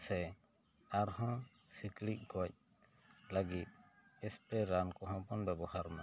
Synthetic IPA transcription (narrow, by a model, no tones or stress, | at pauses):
sɛ | aɾɦɔ̃ | siklic̚ɡɔc̚ | laɡit̪̚ | ɛspɾɛɾankɔɦɔ̃pɔnbɛbɔhaɾma